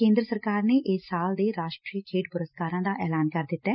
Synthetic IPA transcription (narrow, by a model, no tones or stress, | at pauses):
kẽːnd̪ɾəsəɾkaːɾneːʔɪsaːld̪eːɾaːʃʈɾiːkʰeːʈpʊɾəskaːɾãːd̪aːʔɛːlaːnkəɾd̪ɪt̪ːɛː